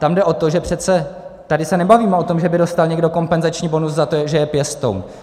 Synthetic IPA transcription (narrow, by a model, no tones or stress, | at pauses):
t̪amdɛʔo̞t̪oʒɛpr̝̥ɛt͡sɛt̪adɪsɛnɛbaviːmɛo̞t̪o̞mʒɛbɪdo̞st̪alɲɛɡdo̞ko̞mpɛnzat͡ʃɲiːbo̞nuszat̪oʒɛjɛpjɛst̪o̰wn